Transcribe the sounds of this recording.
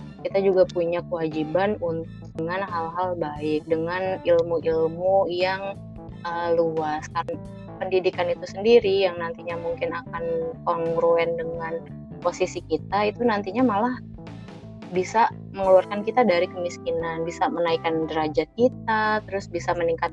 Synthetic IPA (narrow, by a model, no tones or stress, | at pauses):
kit̪ad͡ʒuɡapuɲakəwad͡ʒibanunt̪ʊk̚dəŋanɦalɦalbaɪk̚dəŋanilmuʔilmujaŋ | əluaskaɾən | pəndidikanit̪usəndiɾijaŋnant̪iɲamuŋkɪnakankɔŋɡɾoɛndəŋan | posisikit̪̚ait̪unant̪iɲamalah | bisa | məŋəluarkankit̪adaɾikəmiskinanbisamənaikandəɾad͡ʒakit̪̚at̪əɾʊsbisaməniŋkat̪̚